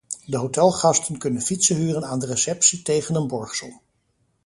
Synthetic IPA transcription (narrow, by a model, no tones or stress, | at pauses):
dəɦotɛlˠχɑstənkɵnənfitsəɦyːrənaːndəresɛpsitejχənənbɔɹχsɔm